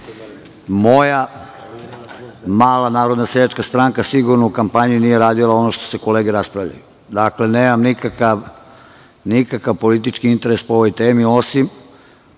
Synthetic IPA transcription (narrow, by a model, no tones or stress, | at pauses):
mo̞ja | maːlanaːɾo̞d̪nased̪at͡ʃkast̪ɾaŋkasiɡuɾnoukampaɲinije̞ɾaːd̪ilˠao̞no̞ʃt̪o̞̥se̞ko̞leːɡeɾaspɾavʎa̰ju | d̪akle̞neːmamnikakaʋ | nikakaʋpo̞lit̪̬it͡ʃkiint̪e̞ɾe̞spoo̞ʋo̞jt̪eːmio̞sim